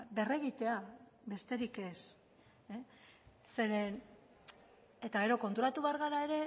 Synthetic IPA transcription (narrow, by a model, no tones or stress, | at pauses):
be̞re̞ɣ̞it̪e̞aβe̞st̪e̞ɾike̞s | e | se̞ɾen | e̞t̪aɣe̞ɾo̞ko̞nt̪uɾat̪uβe̞aɾɣaɾae̞ɾe̞